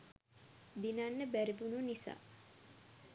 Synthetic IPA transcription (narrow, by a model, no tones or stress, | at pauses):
d̪inanːəbæɾibununisa̰ː